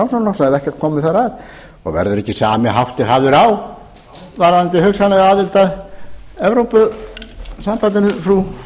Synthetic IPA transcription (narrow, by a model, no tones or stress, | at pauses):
awsɔnlɔsaɛðɛhcɛɾ̥t̪̚kʰɔːmɪθaɾað | ɔ̰ɣvɛ̰ɾðʏɾɛcːɪsaːmɪɦawht̪ɪɾɦaːvðʏɾaw | vaɾant̪ɪhʏksanlɛɣaːðɪlt̪aðɛvɾowpʏ | sampajt̪ɪnʏfɾu